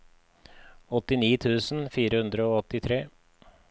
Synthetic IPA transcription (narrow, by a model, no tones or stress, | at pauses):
ɔt̪ɪniːt̪ʰʉːsn̩fiːɾəhʉnd̪ɾəoːɔt̪ɪt̪ʰɾeː